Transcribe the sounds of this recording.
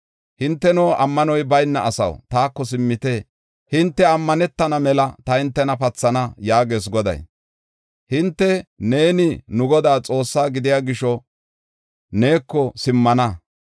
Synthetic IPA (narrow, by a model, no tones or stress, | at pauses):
hɪnt̪ːɛnoːʔɐmːɐnɔjbɐjnːɐʔɐsɐ̰wt̪aːkːɔs̬ɪmːɪt̪e̞ː | hɪnt̪ːɛɐmːɐnɛt̪ːɐnɐmɛlɐt̪ɐhɪnt̪ːɛnɐpɐt͡sːɐnɐjaːɡe̞ːs̬ɡɔd̪ɐ̰j | hɪnt̪ːɛne̞ːnɪnʊɡɔd̪aːt͡sʼo̞ːsːaːɡɪd̪ɪjaːɡɪʃɔ | ne̞ːkːɔsɪmːɐnɐ